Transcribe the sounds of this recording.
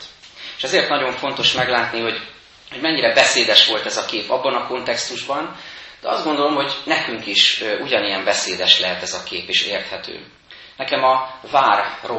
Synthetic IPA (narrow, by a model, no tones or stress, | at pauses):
eːʃɛzeːrt̪nɒɟo̞ɱfo̞nt̪o̞ʃmɛɡlaːt̪niho̞ɟ | ho̞ɟmɛɲːiɾɛbɛseːd̪ɛʃʋo̞lt̪ɛzɒkeːpɒ̰bːɒnɒko̞nt̪ɛkst̪uʒbɒnd̪̥ɛɒ̰zd̪ɡo̞nd̪o̞lo̞mɦo̞ɟnɛkyŋkiʃʔuɟɒnijɛmbɛseːd̪ɛʃlɛɦɛt̪ɛzɒkeːpiʃḛːrt̪hɛt̪ʰø̰ː | nɛkɛmɒvaːrːo